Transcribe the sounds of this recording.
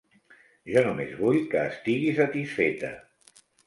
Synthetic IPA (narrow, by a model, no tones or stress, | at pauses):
ʒɔnumezβuʎkəːst̪iɣisət̪isfet̪ə̰